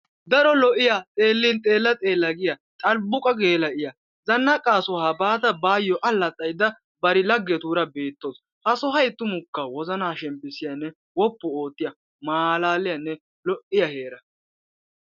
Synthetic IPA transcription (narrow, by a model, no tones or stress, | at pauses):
d̪ɐɾɔlɔʔɪjɐt̪ʼeːlːɪnt̪ʼe̞ːlːɐt̪ʼe̞ːlːɐɡɪjɐt̪ʼɐlbʊkʼɐɡe̞ːlɐʔɪjɐ | zɐnːɐkʼaːsɔhaːbaːt̪ɐbaːjɔʔɐlːɐt̪ʼːɐjd̪ɐ | bɐɾɪlɐɡːɛt̪uːɾɐbe̞ːt̪ːos | hɐsɔɦɐjt̪ːʊmʊkːɐwɔzɐnaːʃɛmpːɪsɪjɐnːɛ | wɔpːɔo̞ːt̪ːɪjɐ | maːlaːlɪjɐnːɛ | lɔʔɪjɐhe̞ːɾɐ